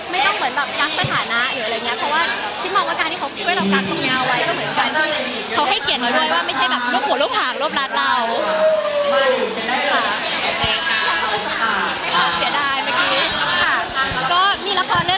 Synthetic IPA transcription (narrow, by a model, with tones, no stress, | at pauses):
ma˥˩jt̪ɔ˥˩ŋmɯ˨˩˦nbɛː˨˩p̚ka˦˥k̚sa˧t̪ʰaː˩˦na˦˥ʔɾɯː˩˦˧ŋi˦˥ɐ˩pʰɔ˦˥waː˥˩ | k̪ʰi˦˥mɔː˧ŋwaː˥˩kaː˧nt̪ʰi˥˩kʰa˦wt͡ɕʰəjɾa˧˩ka˦˥k̚t̪ʰo˧niː˦˧˥ʔa˧wa˦˥jkɔː˥˩mɯ˩˦ə˦nka˧na˥˩ | kʰa˦˥wɦa˥˩jki˨˩ət̪̚nɔː˨˦du˥˩əjwaː˥˩ma˥˩jt͡ɕʰa˥˩jbɛː˨˩p̚ɾu˥˩əp̚hu˨˩˦lu˥˩p̚ʰːaː˨˩ŋɾu˥˩əp̚ɾa˦˥t̪̚ɾa˧w | maː˥˩u˨˩˧aː˥˩ɔː˧˩a˨˩˧pa˧˨˩kaː˧˩a˧˩˧aː˧˩a˥˩jkʰa˧˦˥a˧˩si˨˩˦daː˥˩jmaː˧˩kiː˦˥a˥˩˧kɔː˥˩miː˧la˧˥kʰɔː˧nlɯ˥˩˨